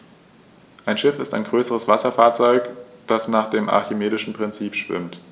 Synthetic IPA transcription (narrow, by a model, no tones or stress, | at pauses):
ʔaɪnʃɪfɪstaɪnɡʁøːsəʁ̞əsv̥asɐfaːɐt͡sɔʏkd̥asnaːχd̥eːmʔa̰ɐçɪmeːdɪʃn̩pʁ̥ɪnt͡siːpʃv̥ɪ̰mt